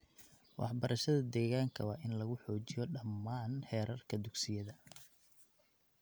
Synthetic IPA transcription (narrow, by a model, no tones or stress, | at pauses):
wʔɑ̰ħbɐɾʔɐʃɐðɐd̪ɛːɣaːŋkʰɐ̰wɑːʔɪnlɐɣʊħɔːt͡ʃɪjɔɖɐmːaːnħɛːɾʔɐrkʰɐd̪ʊɡsɪjɐðɐ